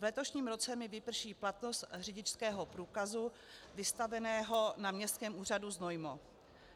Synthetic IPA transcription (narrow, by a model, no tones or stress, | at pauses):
vlɛt̪o̞ʃɲiːmɾo̞t͡sɛmɪvɪpr̩ʃiːplat̪no̞st̪r̝ɪɟɪt͡ʃskɛːɦo̞pɾuːkazu | vɪst̪avɛnɛːɦo̞namɲɛst̪̚kɛːmʔuːr̝aduzno̞jmo